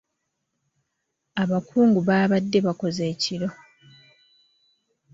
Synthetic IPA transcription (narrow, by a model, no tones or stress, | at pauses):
aβakʰuːŋɡuβaːβadːe̞βako̞ze̞ːciɾo̞